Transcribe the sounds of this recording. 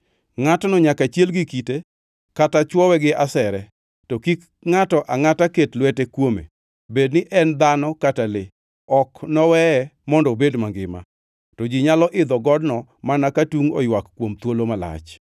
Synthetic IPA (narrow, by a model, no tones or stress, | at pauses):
ŋatɔnɔɲakat͡ʃjelɡikite | katat͡ʃwɔwɛɡɪʔasɛɾɛ | tɔkik | ŋatɔʔaŋataketlwetekwomḛ | bednɪʔɛnd̪anɔkatalɪ | ɔknɔwɛɛmɔndɔbedmaŋɡɪ̰ma̰ | tɔd͡ʒiɲalɔʔɪd̪ɔɡɔdnɔmanakatuŋo̰jwakːwomt̪wolomala̰t͡ʃ